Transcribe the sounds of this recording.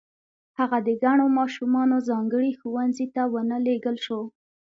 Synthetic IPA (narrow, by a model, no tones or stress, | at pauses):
haɣad̪əɡaɳomɑʃumɑnozɑŋɡəɽixuwanzit̪awənəleɡəlʃo